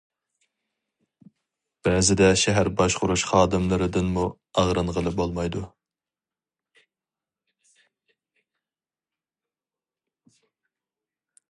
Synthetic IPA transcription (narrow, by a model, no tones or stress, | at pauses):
b̥ɛːzɪd̪ɛʃɛɦæɾbɑʃqʊɾuʃχɑːd̪ɨmlˠəɾɨd̪ɨnmu | ɑʁɾɨnʁəlˠɨbolˠmɑjd̪u